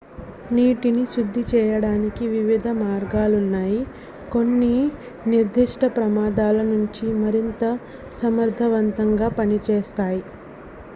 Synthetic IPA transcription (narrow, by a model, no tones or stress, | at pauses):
niːʈiniʃud̪ʱːit͡ʃɛːjɐɽaːnikiʋiʋid̪ʱɐmaːɾɡaːlunːaːji | ko̞nːi | niɾd̪ʱiʂʈɐpɾɐmaːd̪aːlɐnuɲt͡ʃimɐɾint̪ɐ | sɐmɐɾd̪ʱɐʋɐnt̪ɐŋɡaːpɐnit͡ʃɛːst̪aːji